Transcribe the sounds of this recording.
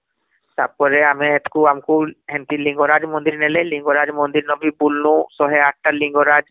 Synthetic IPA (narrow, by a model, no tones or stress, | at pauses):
sa̰b̚kɔɾɛamɛ̃ːt̪kuamkuɦɛ̃nt̪ilĩŋɡɔɾad͡ʒmɔnd̪iɾnɛlɛlĩŋɡɔɾad͡ʒmɔnd̪iɾnɔbʱibulnũsɔɦɛaʈ̚ʰʈalĩŋɡɔɾad͡ʒ